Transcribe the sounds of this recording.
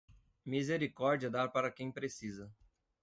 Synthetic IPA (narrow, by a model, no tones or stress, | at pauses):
mizeɾikɔɾd͡ʒiɐd̪aɾpaɾɐkẽj̃pɾesizɐ